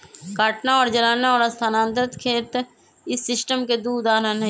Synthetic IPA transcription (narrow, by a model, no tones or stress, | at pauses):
kaːʈnaɔːɾd͡ʒəɾaːnaɔːɾɐst̪ʰaːnãːnd̪ət̪kʰeːt̪ | ɪsːɪsʈəmked̪uːd̪aːɾənɦ